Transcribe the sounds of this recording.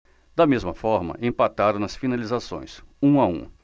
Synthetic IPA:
d̪̥ɐmezmɐfɔɾmɐ̰ʔẽpat̪aɾɐ̃w̃nɐsfinalizasõ̰j̃sũaṵ̃

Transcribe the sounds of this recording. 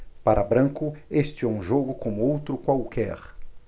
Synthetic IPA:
paɾɐbɾɐ̃ŋkʊest͡ʃɪɛũʒoɡʊkõmʊowt̪ɾʊkwawkɛ̰ɾ

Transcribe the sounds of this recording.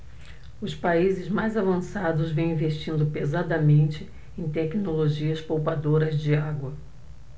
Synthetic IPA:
ʊspaizɪzmajzavɐ̃sad̪ʊzvẽw̃ĩveʃt͡ʃĩnd̪ʊpezad̪ɐmẽnt͡ʃɪ | ẽj̃t̪ɛknoloʒiɐspowpad̪oɾɐzd͡ʒɪaɡwɐ

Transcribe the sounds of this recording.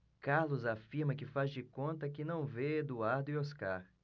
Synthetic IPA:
kaɾlʊzafiɾmɐkɪfazd͡ʒɪkõnt̪ɐkɪnɐ̃w̃ved̪uaɾd̪ʊioskaɾ

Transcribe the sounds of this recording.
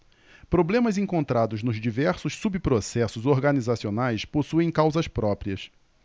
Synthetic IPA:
pɾoblẽmɐzẽŋkõnt̪ɾad̪ʊznʊzd͡ʒivɛɾsʊsːubipɾosɛsʊzoɾɡɐnizasionajsposuẽj̃kawzɐspɾɔpɾiɐs

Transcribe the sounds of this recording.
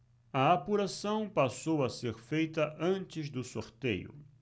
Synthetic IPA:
ɐapuɾasɐ̃w̃pasowɐseɾfejt̪ɐʔɐ̃nt͡ʃɪzd̪ʊsoɾt̪ḛjʊ̰

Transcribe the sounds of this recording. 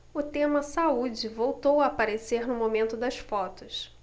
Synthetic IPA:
ʊt̪ẽmɐsaud͡ʒɪvowt̪owɐpaɾeseɾnʊmomẽnt̪ʊd̪ɐsfɔt̪ʊs

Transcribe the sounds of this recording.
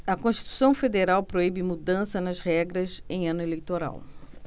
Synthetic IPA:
ɐkõʃt͡ʃi̥t̪u̥sɐ̃w̃fed̪eɾawpɾoibɪmud̪ɐ̃sɐnɐzhɛɡɾɐzẽj̃ɐ̃nʊelejt̪oɾa̰w

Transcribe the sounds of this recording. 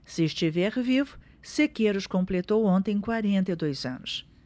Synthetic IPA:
sɪːʃt͡ʃivɛɾvivʊ̥ | sekeɾʊskõmplet̪owõnt̪ẽj̃kwaɾẽnt̪ed̪ojzɐ̃nʊs

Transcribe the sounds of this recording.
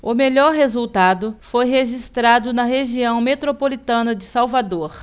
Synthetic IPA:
ʊmeʎɔɾɦezuwt̪ad̪ʊfojɦeʒist̪ɾad̪ʊnɐɦeʒiɐ̃w̃met̪ɾopolit̪ɐ̃nɐd͡ʒɪsawvad̪oɾ

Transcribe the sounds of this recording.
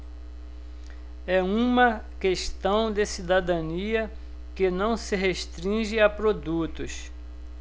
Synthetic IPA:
ɛũmɐ | keʃt̪ɐ̃w̃d̪ɪsid̪ad̪ɐ̃niɐ | kɪnɐ̃w̃sɪɦeʃt̪ɾĩʒɪapɾod̪ut̪ʊs

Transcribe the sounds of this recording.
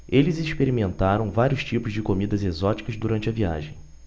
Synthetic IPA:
elɪziʃpeɾimẽnt̪aɾɐ̃w̃vaɾiʊst͡ʃipʊzd͡ʒɪkomid̪ɐzezɔt͡ʃi̥kɐzd̪uɾɐ̃nt͡ʃɪɐvia̰ʒẽj̃

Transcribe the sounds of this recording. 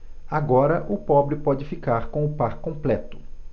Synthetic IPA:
aɡɔɾɐʔʊpɔbɾɪpɔd͡ʒɪfikaɾkõw̃ʊpaɾkõmplɛt̪ʊ̥

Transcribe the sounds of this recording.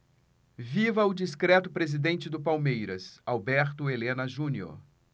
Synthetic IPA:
vivɐʊd͡ʒiskɾɛt̪ʊpɾezid̪ẽnt͡ʃɪd̪ʊpawmejɾɐsawbɛɾt̪ʊelẽnɐʒũnio̰ɾ

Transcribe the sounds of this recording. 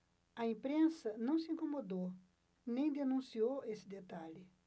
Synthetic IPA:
ɐẽpɾẽsɐnɐ̃w̃sɪĩkomod̪o | nẽj̃d̪enũsiowesɪd̪et̪aʎɪ

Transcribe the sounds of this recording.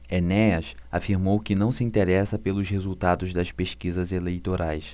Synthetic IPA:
enɛɐsa̰fiɾmowkɪnɐ̃w̃sɪĩnt̪eɾɛsɐpelʊʃhezuwt̪ad̪ʊzd̪ɐʃpeʃkizɐzelejt̪oɾʔajs

